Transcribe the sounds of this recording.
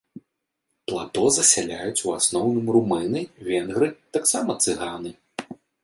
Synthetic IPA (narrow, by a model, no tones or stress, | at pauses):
plˠat̪ɔzɐsʲalʲajut͡sʲuasnɔwnɨmrumɨnɨvʲɛnɣɾɨt̪aksamɐt̪sɨɣanɨ